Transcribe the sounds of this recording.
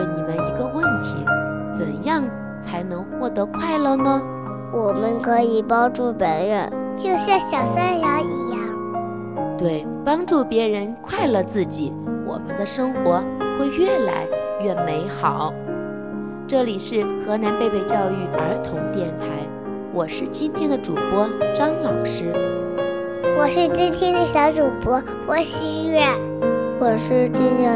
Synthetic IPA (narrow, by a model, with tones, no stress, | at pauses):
ni˨˩mə˦ni˧˥ɡə˧wə˥˩nt̪ʰḭ˧˥ | t͡sə̰˨˩njɑ˥˩ŋ | t͡sʰa˧˥ɪnɤ˧˥ŋxwɔ˥˩t̪ɤ˧˥kʰwa˥˩ɪlə˥˧nə˩ | wɔ˨˩mə˧˥nkʰɤ˧˥i˨˩pɑ˥ʊʈ͡ʂu˥˩pə˧˥nɻɛ˨˩˦t͡ɕjo˥˧ʊɕjɑ˥˩ɕjɑ˨˩ʊsa˥ja˧˥i˧˥jɑ˥˩ŋ | t̪we˥˩ɪ | pɑ˥ŋʈ͡ʂu˥˩pjɛ˧˥ɻə˧˥nkʰwa˥˩ɪlə˨˩t͡sɹ̩˥˩t͡ɕi˨˩˦wʔɔ̰˨˩mə̰˦nd̪ə˧ʂɤ˥ŋxwɔ˧˥xwe˥˧ɪɥɛ˥˩la̰˧˥ɪɥɛ˥˩me˧˥ɪxɑ˨˩˦ʊ | ʈ͡ʂɤ˥˩li˨˩ʂɻ̩˥˩xɤ˧˥na˧˥npe˥˧ɪpe˥˧ɪt͡ɕjɑ˥˧ʊy˥˩ə̰˞˧˥t̪ʰʊ˧˥ŋt̪jɛ˥˩nt̪ʰa˧˥ɪ | wɔ˨˩ʂɻ̩˥˩t͡ɕi˥nt̪ʰjɛ˥nd̪ə˨ʈ͡ʂu˨˩pwɔ˥ʈ͡ʂɑ˥ŋlɑ˨˩ʊʂɻ̩˥ | wɔ˨˩ʂɻ̩˥˩t͡ɕi˥ŋt̪ʰjɛ˥nd̪ə˧ɕjɑ˧˥ʊʈ͡ʂu˨˩pwɔ˥ | wɔ˨˩ɕi˥ɥɛ˥˩ | wɔ˨˩ʂɻ̩˥˧ʈ͡ʂɤ˥˧ɕə˥˩